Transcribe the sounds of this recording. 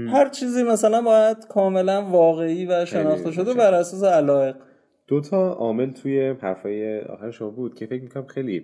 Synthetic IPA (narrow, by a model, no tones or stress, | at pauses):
hæɾt͡ʃʰiːziːmæsælænbɒːjæd̪̥kʰɒːme̞lænvɒːɣe̞iːvæʃe̞nɒːχt̪eʃo̞d̪ebæɾʔæsɒːs̬e̞ælɒːe̞ɢ | d̪̥ot̪ʰɒɒːme̞lt̪ʰujehæɾfɒːjeɒ̰ːxæɾeʃomɒbuːd̪̥̚cʰe̞fec̚mikʰonæmxejli